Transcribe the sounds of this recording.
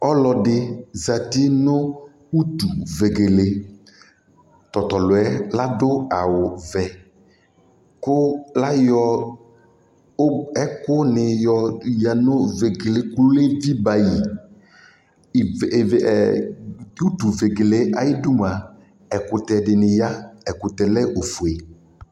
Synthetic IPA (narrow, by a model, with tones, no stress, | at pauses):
ɔ˦lɔ˨dɪ˦za˨t̪ɪ˦nʊ˦ | u˦t̪u˨ve˨ɡe˨le˨ | t̪ɔ˨t̪ɔ˨lʊ˨ɛ˦la˦dʊ˦a˨wʊ˨vɛ˨ | kʊ˦la˦jɔ˦ | ɛ˦kʊ˦nɪ˨jɔ˦ja˨nʊ˦ve˨ɡe˨le˨klʊ˦le˦vi˦ba˨ji˨˦ | u˦t̪u˨ve˨ɡe˨le˦a˨jɪ˦du˦m˨a˨ | ɛ˨kʊ˨t̪ɛ˨dɪ˨nɪ˨ja˦ɛ˨kʊ˨t̪ɛ˨lɛ˦ʔo˨fu˨e˨